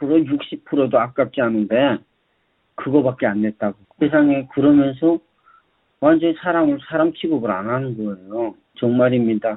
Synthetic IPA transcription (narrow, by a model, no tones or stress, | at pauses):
pʰɯɾojuk̚ɕ͈ip̚pʰɯɾodoak̚k͈ak̚k͈eɦanɯnde̞ | kɯɡʌbak̚k͈eande̞t̚t͈aɡosʰe̞s̬ʰaŋe̞kɯɾʌmjʌnsʰʌ | wand͡ʑʌnisʰaɾamɯɭsʰaɾamkʰiɡʌbɯɾa̰nɦanɯnɡʌejo | t͡ɕʌŋmaɾimɲida